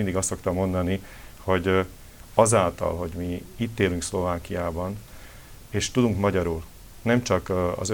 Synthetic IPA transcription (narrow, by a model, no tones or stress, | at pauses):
ind̪iɡɒst̪so̞kt̪ɒmːo̞nd̪ɒni | ho̞ɟ | ɒzaːlt̪ɒ̰lɦo̞ɟmiit̪ːeːlyŋkslo̞vaːkijaːbɒn | eːʃt̪ud̪uŋkmɒɟɒɾuːl | nɛmt͡ʃɒkɒ̰zø